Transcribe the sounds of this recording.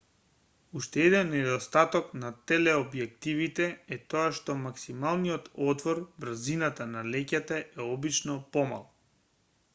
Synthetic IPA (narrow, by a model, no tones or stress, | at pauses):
uʃt̪ɛɛd̪ɛnːɛd̪ɔst̪at̪ɔknat̪ɛlɛɔbjɛk̚t̪ivit̪ɛɛt̪ɔaʃt̪ɔmaksimalˠnijɔt̪ɔt̪vɔɾvr̩zinat̪analɛcat̪aʔɛɔbit͡ʃnɔpɔma̰lˠ